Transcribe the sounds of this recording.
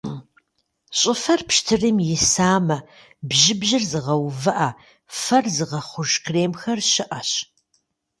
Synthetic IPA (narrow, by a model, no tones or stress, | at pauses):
ɕʼɪfɐrpʃtʰɨrɨmjɪsaːmɐ | bʑɪbʑɪrzɨʁɐwvɐʔɐ | fɐrzɨʁɐχʷʊʒkʰreːmxɐrɕɪʔɐɕ